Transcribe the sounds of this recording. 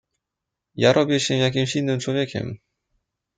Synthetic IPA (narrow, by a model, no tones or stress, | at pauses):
jaɾʔɔbʲjɛɕɛmjaɡ̬ʲimɕinːɨmt͡ɕwɔvjɛkʲɛ̰m